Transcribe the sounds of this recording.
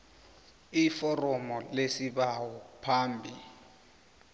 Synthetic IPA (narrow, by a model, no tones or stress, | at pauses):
ifɔrɔmɔlesiɓawɔpʰaːmbʱi